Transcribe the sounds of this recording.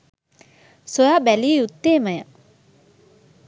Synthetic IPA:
sojaːbælieut̪ːeːməjə

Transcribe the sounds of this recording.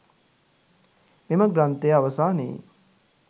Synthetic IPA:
memɐɡɾɐnt̪ejɐʋɐsaːnḭː

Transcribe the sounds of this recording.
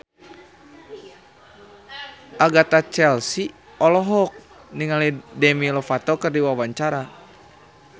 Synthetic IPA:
ʔaɡat̪at͡ʃɛlsi | ɔlɔɦɔk̚ | niŋalidɛmilɔfat̪ɔkərdiwawaɲt͡ʃaɾa

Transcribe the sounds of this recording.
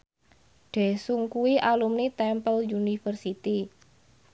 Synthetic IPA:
ɖ̪̥e̤suŋkuwiʔalumnit̪ɛmpəljunifərsit̪i

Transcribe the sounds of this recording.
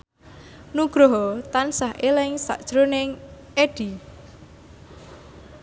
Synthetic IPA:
nuɡ̥ɾɔɦɔt̪ansaɦʔelɪŋsa̰ʔd̥ʒ̥ɾonɪŋ | eɖ̥i

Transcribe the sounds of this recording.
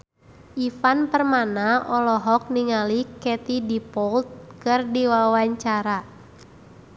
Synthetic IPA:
ʔifanpərmanaɔlɔɦɔk̚niŋalikɛt̪idipɔlt̪̚kɨrdiwawaɲt͡ʃaɾa

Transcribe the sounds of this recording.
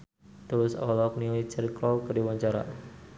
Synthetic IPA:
t̪ulʊsɔ̰lɔk̚niɔlit͡ʃəɾikɾɔlkədiwaɲt͡ʃaɾa̰

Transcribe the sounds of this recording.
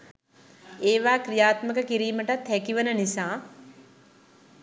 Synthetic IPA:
eːʋaːkɾijaːt̪məkəkiɾiːməʈat̪hækiʋənənisaː

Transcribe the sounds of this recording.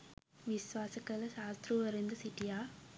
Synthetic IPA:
ʋɪsʋaːsɐkːɐɭɐʃaːst̪ɾuʋɐɾɯnd̪ɐsɪʈːijaː

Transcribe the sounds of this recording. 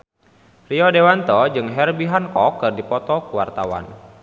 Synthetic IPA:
riɔdewant̪ɔd͡ʒɨŋɦɛrbiɦankɔkːɨrdipɔt̪ɔkuwart̪awa̰n

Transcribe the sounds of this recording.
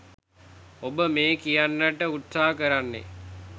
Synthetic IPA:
obəmeːkijanːəʈəut̪saːkəɾanːḛ

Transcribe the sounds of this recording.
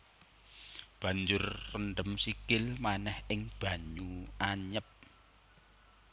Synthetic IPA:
b̥ä̤ɲd͡ʒʊrːənɖəmsikɪlmanɛhɪŋb̥ä̤ɲuaɲəp̚

